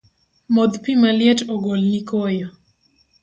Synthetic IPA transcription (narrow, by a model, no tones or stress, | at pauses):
mɔd̪pimaljɛtɔɡolɲikɔjɔ